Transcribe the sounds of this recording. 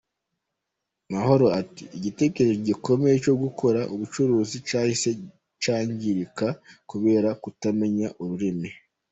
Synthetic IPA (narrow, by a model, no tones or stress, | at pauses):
maho̞ɾo̞atḭːɟite̞ːkeɾeʒoɟiko̞me̞jet͡ʃo̞ɡukʰo̞ɾaʔuβut͡ʃuɾuːzit͡ʃaːjise̞ | t͡ʃaːɲɟiɾikakuβe̞ːɾakutame̞ɲaʔuɾuɾimi